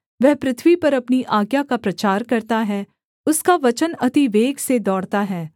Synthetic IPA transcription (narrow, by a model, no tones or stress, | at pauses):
ʋɛɦpɾɪt̪ʰʋipɐɾɐpniʔaːɡjakapɾɐt͡ʃaːɾkɐɾt̪aɦɛ | ʊskaʋɐt͡ʃənɐt̪iʋeːɡsed̪ɔːɽt̪aɦɛː